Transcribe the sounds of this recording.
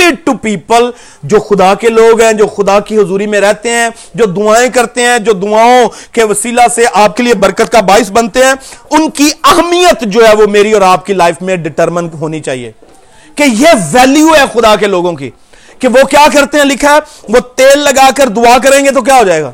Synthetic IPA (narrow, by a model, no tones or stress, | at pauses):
ʈɪɖ̚ʈupiːpəl | d͡ʒoːxʊd̪akeloːɡɦɛ̃ːd͡ʒoːxʊd̪akiɦʊzuːɾimẽɾɛɦt̪eɦɛ̃ː | d͡ʒoːd̪ʊaːẽkɐɾt̪eɦɛ̃d͡ʒoːd̪ʊaːõkeʋɐsiːlaseʔaːp̚keliebɐɾkət̪kabaːɪsbɐnt̪eɦɛ̃ːʊnkiɐɦmijət̪d͡ʒoːɦɛːʋomeːɾiɔːɾaːp̚kilaːɪfmẽɖɪʈəɾmənɦoːnit͡ʃaːɦḭḛː | kejeʋɛːljuɛːxʊd̪akeloːɡõkḭː | keʋokjaːkɐɾt̪eɦɛ̃lɪkʰɛʋot̪eːlːɐɡaːkəɾd̪ʊaːkɐɾẽːŋɡet̪̬ok̬jaːɦoːd͡ʒaːeːɡa̰ː